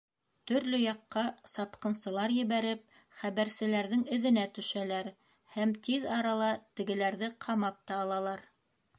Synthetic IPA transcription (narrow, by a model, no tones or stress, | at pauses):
t̪ɵ̆ɾlɵjɑqːɑsɑpqɤ̆nsɤ̆lˠɑɾjɘ̆βæɾɘp̚ | χæβæɾsɘ̆læɾðɘŋɵ̆ðɘ̆næt̪ɵ̆ʃælæɾ | hæmt̪iðɑɾɑlˠɑt̪ɘ̆ɡɘ̆læɾðɘqʰɑmɑp̚t̪ɑːlˠɑlˠɑɾ